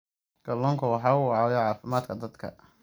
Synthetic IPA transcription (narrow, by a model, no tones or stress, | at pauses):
ɡ̥ɐlɔːŋkʰɐwɑħɑːʊʕɑːwjɛʕɑːfɪmaːd̪kʰɐd̪ɐd̪kʰɐ̰